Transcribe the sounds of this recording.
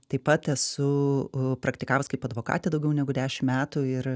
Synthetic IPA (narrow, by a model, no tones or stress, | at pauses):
t̪ɐɪpɐt̪ɛsʊpɾɐkt̪ʲɪkɑːʋɐskɐɪpɐd̪ʋoːkɑ̰ːt̪ʲed̪ɐʊɡʲɛʊnʲɛɡʊd̪ʲæːʃʲɪmmʲæːt̪uɪɾ